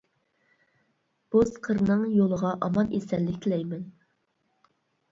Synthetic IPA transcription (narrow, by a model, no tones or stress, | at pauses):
b̥osqʰəɾnɨŋjolˠəʁɑʔɑmɑnʔḛsɛnlːɪkʲt̪ʰɪlɛjmɛn